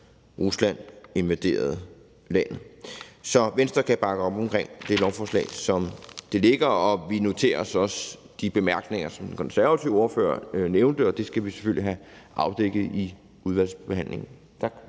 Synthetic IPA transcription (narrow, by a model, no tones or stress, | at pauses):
ʁuslæn̰e̝nʋæd̥e̝̰ːɐð̞̩ˠ | læn̰ð̩ˠsɒ̽ʋensd̥ʁɐkʰæb̥ɑ̈ɡ̥əɒ̽b̥ɒ̽mkʰʁeŋ̰d̥e̝lɒʊfɒːslɛ̰ːsɒ̽md̥e̝le̝ɡ̥ɐɒ̽ʋino̝t͡sʰe̝̰ːɐsɒ̽sd̥ib̥e̝mæɐ̰ɡ̥ne̝ŋ̰ɐsɒ̽md̥enkʰɒ̽nsæɐʋæt͡sʰiʊɒ̝ɐfø̰ːɐ̰neʊnd̥əɒ̽d̥e̝sɡ̥æʋise̥føl̰l̰iɦæʔɑ̈ʊd̥eɡ̥ð̩ˠi | uðˠʋæl̰sb̥e̝hæn̰le̝ŋn̩ | t͡sʰ